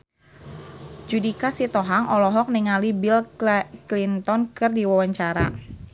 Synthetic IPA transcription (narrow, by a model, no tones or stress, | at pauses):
d͡ʒudikasit̪ɔɦaŋʔɔlɔɦɔk̚nɛŋalibilklint̪ɔnkɨrdiwawaɲt͡ʃaɾa̰